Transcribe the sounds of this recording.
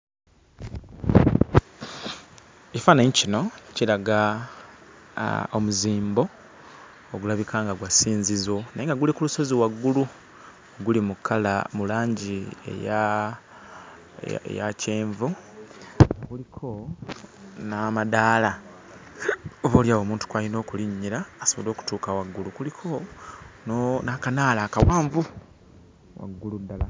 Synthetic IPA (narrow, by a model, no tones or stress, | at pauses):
ecifaneɲcino̞ciɾaɡa | omuziːmbo̞ | oɡulaβikʰaːŋɡaɡwasiːnzizwo̞najeŋɡaɡulikuluso̞ziwaɡːulu | ɡulimukʰːala̰mulaːɲɟiḛja | ḛjace̞ːɱvu | ŋɡaɡulikʰo̞ | namadaːla | oβo̞ːljaːβo̞ːmuːntu̥kwalino̞ːkuliɲːiɾaːsoβolo̞ːku̥tuːkawaɡːulukulikʰo̞ | nakanaːlaːkawaːɱvu | wa̰ɡːuludːala